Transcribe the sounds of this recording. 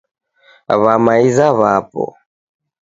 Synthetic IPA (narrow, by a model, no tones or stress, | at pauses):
a̰βamaizaβapɔ̰